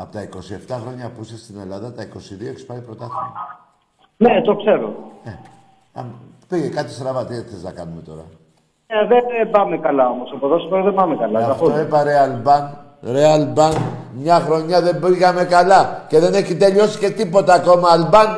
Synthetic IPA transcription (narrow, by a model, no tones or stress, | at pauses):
ɐpot̪ɐiko̞sie̞ft̪ɐxɾo̞ɲɐpusest̪ine̞lɐðɐt̪ɐiko̞siðioekisi̥pɐipɾo̞t̪ɐθimɐ̰ | net̪o̞kse̞ɾo̰ne | ɐ̰m | piʝekɐt̪i̥st̪ɾɐvɐt̪iɐt̪θeznɐ̰kɐnume̞t̪o̞ɾɐ̰ | neðeebɐmekɐlɐo̞mosɐpoðosi̥poɾoðembɐmekɐlɐɐfooipɐɾeɐlbɐn | ɾeɐlbɐnmɲɐxɾo̞ɲɐðe̞mbiɣɐme̞kɐlɐce̞ðe̞ne̞çit̪e̞ʎio̞si̥ce̞t̪ipo̞t̪ɐːko̞mɐːlbɐn